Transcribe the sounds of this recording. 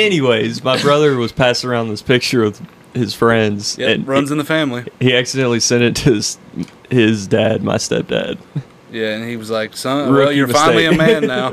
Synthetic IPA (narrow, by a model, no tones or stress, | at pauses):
ɛniweɪzmaɪbɹʌðə˞wʌz̥pʰæsə˞ãʊ̃nðɪspʰɪk̚t͡ʃə˞ʌv̥ | ɨz̥fɹɛ̃ndz̥ɨ̃nɹʌ̃nzɨ̃n̩ðəfæ̃mlihiæksɨdɛ̃nʔlisɛ̃ndɨtʰɨz | ɪzdæd̚ma̰ɪstɛ̰p̚d̥æ̰d̥̚ | jæɨ̃niwʌzlaɪksʌ̃ɹɪjə˞mɨfãɪ̃eɪliɨmæ̃nːaʊ